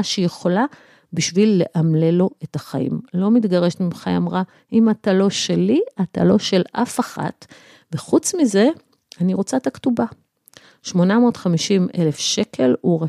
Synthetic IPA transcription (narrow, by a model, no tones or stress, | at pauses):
ʃejeχola | biʃvilːe̞ʔamle̞lo̞etaχaḭmlo̞mitɡaʁeʃtmimχajamʁa | imatalo̞ʃe̞liata̰lo̞ʃe̞lʔa̰faχa̰t | ve̞χut͡smize̞ | aniʁo̞t͡sat̪aktuba | ʃmo̞namo̞ːtχamiʃimʔḛle̞fʃe̞kʰe̞luʁe